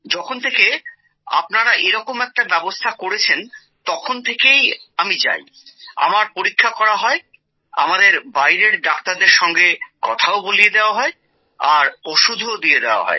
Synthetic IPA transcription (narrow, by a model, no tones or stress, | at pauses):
d͡ʑɔkʰont̪ʰeke | a̰pnaɾaʔeɾɔkomɛk̚ʈabɛbost̪ʰakoɾet͡ɕʰen | t̪ɔkʰont̪ʰekejamid͡ʑa̰j | a̰maɾpoɾikʰːakɔɾaɦɔe | a̰mad̪eɾbajɾeɾɖak̚t̪aɾd̪eɾʃɔŋɡekɔt̪ʰaobolijed̪eoaɦɔe | aɾoʃud̪ʱod̪ijed̪eoa̰ɦɔ̰e